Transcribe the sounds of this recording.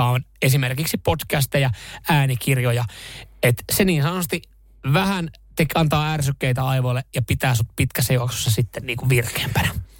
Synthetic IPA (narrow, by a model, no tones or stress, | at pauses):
ɑonesimerkiksipotkæst̪ejɑæːnikirjojɑet̪seniːnsɑnost̪i | ʋæhænt̪ekɑnt̪ɑːærsykːeit̪æɑiʋolːejɑpit̪æːsut̪pit̪kæsːæjuksu̥sːɑsit̪ːenniːŋkuʋʋirke̥ːmpænæ